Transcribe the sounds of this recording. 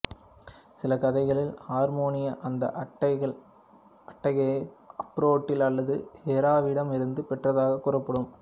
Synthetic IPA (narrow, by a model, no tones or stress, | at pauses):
sɪlɐkɐðɐɪɣɐɭɪlhaːɾmoːnɪjɐʔɐnd̪ɐ̰ʔɐʈːɐɪɣɐɭ | ɐʈːɐɣɐɐpːɾoːʈːɪlɐlːɐðɯhɛɾaːʋɪɽɐmɪɾɯnd̪ɯpɛʈrɐðaːɣɐkːʊrɐpːɐɽɯm